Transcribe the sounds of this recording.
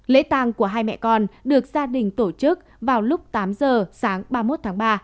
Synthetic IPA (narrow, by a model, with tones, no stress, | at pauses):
lḛ˧˥t̪aː˧˩ŋku˧˩əɦaː˧jmɛ̰˧˨kɔ˧nɗɨ˨˩ək̚zaː˧ɗï˨˩ŋ̟t̪o˧˩t͡ɕɨ˦˥k̚ | vaː˨˩wlʊ˦˥k͡p̚t̪aː˨˦mzəː˨˩saː˨˦ŋɓaː˧mo˦˥t̚t̪ʰaː˨˦ŋɓaː˧